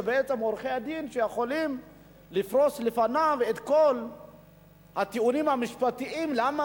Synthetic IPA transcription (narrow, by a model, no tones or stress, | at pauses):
beet͡se̞moɾχead̪inʃejeχo̞lim | lifʁo̞slefanavet̪ko̞l | hat̪iunimhamiʃpat̪iimlama